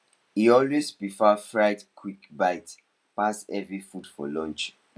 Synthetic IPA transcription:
iɔlwespɹifafɹaɪtkʰwikbaɪt | pasɛvɹifudfɔ̰lɔ̃nt͡ʃ

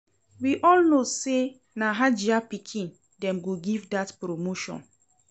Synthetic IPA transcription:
wiʔɔlnose | naɦad͡ʒiapikʰĩn | dɛ̃mɡoɡivdatpɾomoʃɔ̰̃n

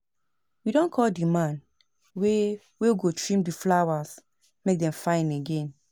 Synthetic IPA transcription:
widɔ̃nkʰɔldimãn | we | wewɡotʰɹĩmdiflawas | mek̚dɛ̃mfãɪ̃neɡɛ̃n

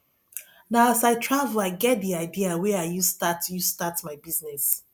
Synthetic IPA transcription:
naasaɪtʰɹavəlaɪɡɛt̚diaɪdiawɛajustatjustatmaɪbiznɛs

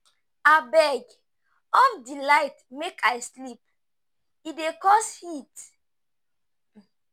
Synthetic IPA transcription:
abɛɡ | ɔfdilaɪtmekaɪslip̚ | idekɔshit

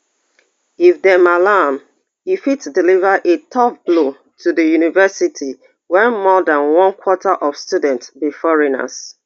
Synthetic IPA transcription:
ifdɛmalam | ifitdilivəʔetʰɔfblo | tʰudəjunivɛsitʰi | wɛ̃nmɔdãnwɔ̃nkʰwɔtʰaʔɔvstudɛ̃ntsbifɔɹina̰s

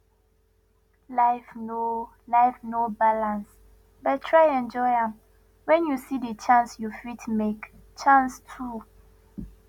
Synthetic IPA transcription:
laɪfno | laɪfnobalãns | battʰɹajɛ̃nd͡ʒɔɪãm | wɛ̃njusidət͡ʃãnsjufitmek | t͡ʃãnstʰu

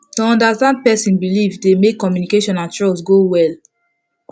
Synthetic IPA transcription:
toɔ̃ndastãnd̚pɛsĩnbilivdemekːɔmjunikeʃɔ̃nãntɹɔsɡowɛl

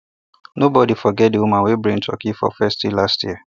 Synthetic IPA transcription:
nobɔdifɔɡɛt̚diwumãnwebɹĩŋtʰɔ̰kifɔ̰fɛstilastji

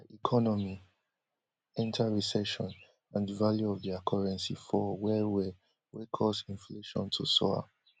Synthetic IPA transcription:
ʔikʰɔnɔmi | ɛ̃ntʰaɹisɛʃɔ̃n | ãndəvaljuɔvðiakʰaɹɛ̃nsḭfɔwɛwɛ | wɛkʰɔsĩnfleʃɔ̰̃ntʰusɔ̰a̰

